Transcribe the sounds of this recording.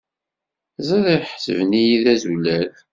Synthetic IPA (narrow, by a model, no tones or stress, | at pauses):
zˤæðiħsə̰vnijiðæzulæl